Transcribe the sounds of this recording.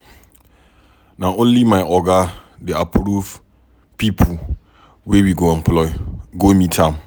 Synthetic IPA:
nãʔõnlimãɪʔɔɡadeapʰɾuv | pipʰu | wewiɡoɛ̃mpʰlɔɪɡomĩtʰãm

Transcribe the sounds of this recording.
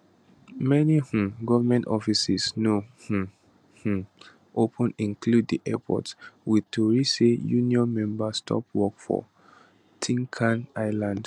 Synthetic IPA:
mɛnihũɡɔvamɛ̃ntɔfisisnoh̩ | hũ | ʔopʰə̃nĩnkʰlud̚diʔɛpʰɔ̰tswiðtuɹisejuniɔ̃nmɛ̃mbastʰɔ̰pwɔkfɔ̰ | tʰĩŋkʰãnaɪlãnd

